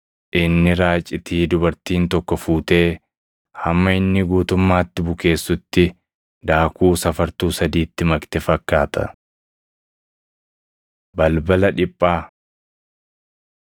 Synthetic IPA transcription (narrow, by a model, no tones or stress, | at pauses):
ʔɪnːɪɾaːt͡ʃʼːɪt̪ʰiːd̪ʊbɐɾt̪iːnt̪ɔkːɔfuːt̪e̞ː | hɐmːɐɪnːɪɡuːt̪ʊmːaːt̪ːɪbʊke̞ːsːʊt̪ːɪ | d̪aːkuːsɐfɐɾt̪uːsɐd̪iːt̪ːɪmɐkt̪ɛfɐkːaːt̪ʰɐ̰ | bɐlbɐlɐᶑɪpʼːaː